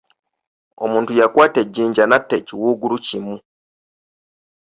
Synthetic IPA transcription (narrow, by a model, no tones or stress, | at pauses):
o̞̰mũːntujakwaːte̞ɟːiːɲɟanatːeciwuːɡulucimu